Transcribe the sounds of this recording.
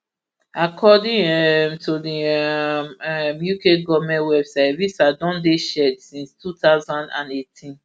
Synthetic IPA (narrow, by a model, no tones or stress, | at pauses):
akʰɔdĩɛmtʰudimmjukeɡɔvmɛ̃ntwɛbsaɪtvisadɔ̃ndeʃɛdsĩnstʰutaʊzãndã̰netʰĩn